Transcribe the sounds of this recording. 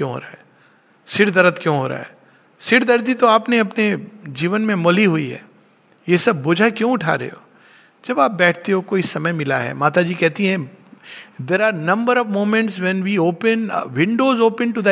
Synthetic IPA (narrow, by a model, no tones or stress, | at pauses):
kjõɦo̰ːɾaɦɛː | sɪɾd̪ɐɾət̪kjõːɦo̰ːɾa̰ɦɛ̰ː | sɪɾd̪ɐɾd̪it̪oaːpneɐpned͡ʒiːʋənmẽmoliɦuiɦɛ̰ː | jesɐbːʊd͡ʒʱakjõʊʈʰa̰ɾḛo̰ː | d͡ʒɐbaːp̚bɛːʈ̚ʰt̪eokoːɪsɐməjmɪla̰ɦɛ̰ːmaːt̪ad͡ʒiːkɛɦt̪iɦɛ̃ | d̪eːɾaːɾnɐ̃mbəɾɔʋmõːmɛ̃ɳʈsʋɛ̃nʋiːoːpə̃n̰ʋɪ̃ɳɖoːzoːpə̃ɳʈud̪ɛ